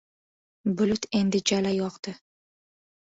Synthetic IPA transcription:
bʊlʊt̪ʰe̞nd̪ɪd͡ʒalajɒqt̪ɨ

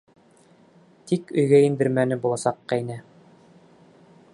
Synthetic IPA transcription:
t̪ikɵ̆jɡæind̪ɘ̆ɾmænɘbulˠɑsɑqːɑjnæ

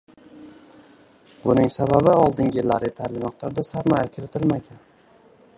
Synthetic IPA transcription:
bʊnɪŋsababɪɒlˠd̪ɪŋɡʲɪlːa̰ɾɪt̪ʰalɪmɒq̚t̪ʰaɾd̪asaɾmɒjakʲʰɪɾɪt̪ʰɪlmaɡʲan

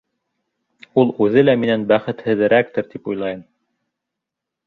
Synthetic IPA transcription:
ulˠʉðɘlæminænbæχɘ̆t̪hɘ̆ðɘ̆ɾæk̚t̪ɘɾt̪ipujlˠɑjɤm

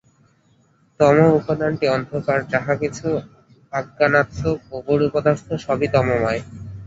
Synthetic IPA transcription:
t̪ɔmoupod̪anʈiɔnd̪ʱokaɾd͡ʑaɦakit͡ɕʰu | aɡːanat̪ːooɡoɾupod̪ast̪ʰoʃɔbit̪ɔmomɔe

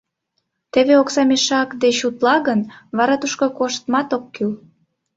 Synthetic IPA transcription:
t̪eβeoksɑmeʃɑkd̪eɕut̪lɑɣənβɑɾɑt̪uʃkokoʃt̪mɑt̪okːyl

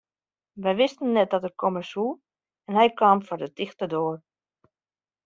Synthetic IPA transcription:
ʋɛjʋɪstən̩ːɛt̚dɔtəkʰoməsu | ɛnɦɛjkaːmfɔrdətixtərdoːr

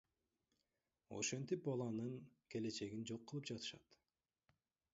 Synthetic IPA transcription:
o̞̰ʃe̞nt̪ip̚bɑlˠɑnɯŋkʰe̞le̞t͡ʃe̞ɡind͡ʒo̞qːɯlˠɯp̚d͡ʒɑt̪ɯ̥ʃɑ̰t̪

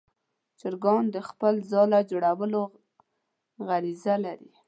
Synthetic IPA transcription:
t͡ʃɪɾɡɑnd̪əxpəlzɑlad͡ʒoɽawəlo | ɣaɾizalaɾi

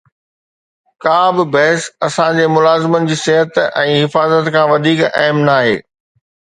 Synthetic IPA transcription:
kãːbɪbɐɦɪsɐsãd͡ʑeːmʊlaːzɪmənɪ̆d͡ʑiːsɪɦət̪ɛ̃ːɦɪfaːzət̪kʰãːʋɐd̪ʱiːkɐɦmnaːɦḛː

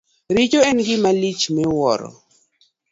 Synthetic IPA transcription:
ɾit͡ʃoɛnɡɪmalit͡ʃmɛwɔ̰ɾɔ̰

